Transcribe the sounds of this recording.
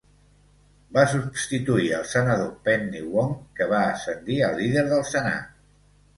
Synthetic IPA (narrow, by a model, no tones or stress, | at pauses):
basubst̪it̪uiəlˠsənəðopɛnːiwoŋkəβ̞aəsənd̪iəlˠːiðəɾðəlˠsəna̰t̪